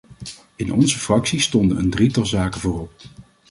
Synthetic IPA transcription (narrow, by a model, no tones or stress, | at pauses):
ɪnʔɔnzəfrɑksistɔndənə̰ndritɑlˠzaːkənvʊːrɔp̚